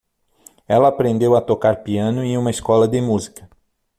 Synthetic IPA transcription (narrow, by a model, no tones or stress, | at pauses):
ɛlɐːpɾẽnd̪ewɐt̪okaɾpiɐ̃nʊẽũmɐiskɔlɐd̪emuzikɐ